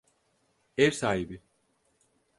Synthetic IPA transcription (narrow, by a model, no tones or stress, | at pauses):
ɛɾsaːɦibi